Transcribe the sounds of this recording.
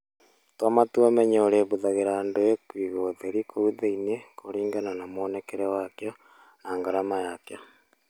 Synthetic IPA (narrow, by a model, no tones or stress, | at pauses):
twamatuomɛɲɛoɾeβuðaɣeɾaːndoekwiɣoðeɾikʰouðeinekoɾiːŋɡananamoːnɛkeɾewakjɔ | naːŋɡaɾamajakjɔ